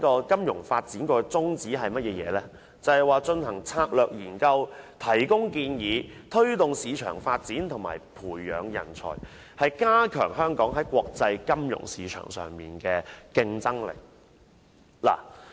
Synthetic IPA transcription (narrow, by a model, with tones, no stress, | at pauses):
kɔː˧kɐ˥mjʊ˨˩ŋfaː˧t̚t͡siː˨˥nkɔː˧t͡sʊ˥ŋt͡siː˨˥ɦɐ˨jmɐ˥t̚jɛː˧jɛ̰ː˨˧lɛː˥ | t͡sɐ˨˧hɐ˨˩jwaː˨˩t͡ʃɵ˧nhɐ˨˩ŋt͡sʰaː˧k̚lœː˨k̚jiː˨˩nkɐ˧wt̪ʰɐ˨˩jkʊ˥ŋkiː˧njiː˨˧t̪ʰɵ˥ɥt̪ʊ˨ŋsiː˨˧t͡ʃʰœ̰ː˨˩ŋfaː˧t̚t͡siː˨˥nt̪ʰʊ˨˩ŋma̰ː˨˩jpʰuː˨˩jːœ̰ː˨˧ŋjɐ̰˨˩nt͡sʰɔ̰ː˨˩j | hɐ˨jkaː˥kʰœ̰ː˨˩ŋɦœː˥ŋkɔː˨˥ŋɦɐ˨˥jkwɔː˧k̚t͡sɐ˧jkɐ˥mjʊ̰˨˩ŋsiː˨˧t͡ʃʰœ̰ː˨˩ŋsœ̰ː˨ŋmiː˨nkɛː˧kɪ˧ŋt͡sɐ˥ŋlḛ˨˩k̚ | la̰ː˨˩